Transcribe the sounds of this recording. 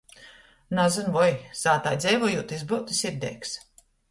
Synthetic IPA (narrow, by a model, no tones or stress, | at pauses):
nazɨnvɔjz̥aːt̪aːjd̪zʲɛjvɔjuːt̪izbɨwt̪isiɾd̪ɛ̰jks